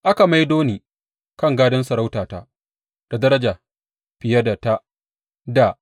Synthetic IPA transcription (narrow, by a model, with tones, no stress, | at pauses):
ʔa˦ka˨ma˦jdoː˦niː˨ | kɐ˦ŋɡaː˦dɐ˦nsɐ˨ɾa˦wtaː˨ta̰˦ | d̥a˨dɐ˦ɾɐ˦d͡ʒaː˨ | ɸɪ˨jɐ˦da˨ta˦ | da˨